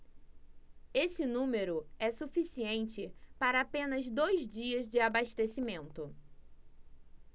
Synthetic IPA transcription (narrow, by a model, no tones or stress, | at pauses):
esɪnũmeɾʊɛsufisiẽnt͡ʃɪpaɾɐapẽnɐzd̪ojzd͡ʒiɐzd͡ʒɪabaʃt̪esimẽnt̪ʊ